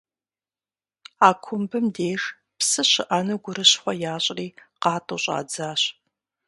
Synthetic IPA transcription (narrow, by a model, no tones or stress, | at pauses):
aːkʷʰʊmbɨmdeːʂ | psɨɕɪʔɐnɨɡʷʊɾɨɕχʷɔjaːɕʼriːqɑːtʼoːɕʼɑ̰ːd͡zaːɕ